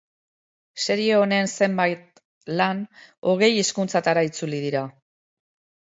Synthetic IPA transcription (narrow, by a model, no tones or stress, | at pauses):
se̞ɾie̞o̞ne̞nse̞mbajt̪̚ | lano̞ɣ̞e̞jiskunt͡sat̪aɾait͡sulið̞iɾa